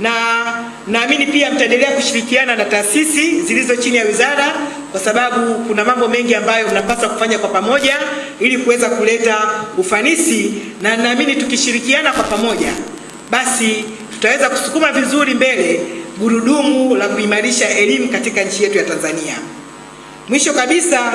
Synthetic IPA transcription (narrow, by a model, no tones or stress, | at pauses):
na | m̩naːminipiam̩taɛndɛlɛakuʃiɾikiananataːsisizilizɔt͡ʃinijawizaɾa | kwasaɓaɓukunamambɔmɛŋɡiambajɔm̩napaswaku̥faɲakwapamɔʄa | ilikuwɛzakulɛtaufanisinam̩naːminitukiʃiɾikianakwapamɔʄa̰ | ɓasi | tu̥tawɛzaku̥su̥kumavizuɾimbɛlɛɡuɾuɗumulakuimaɾiʃaʔɛlimukatikaɲ̩t͡ʃijɛtujatanzania | mwiʃɔkaɓisa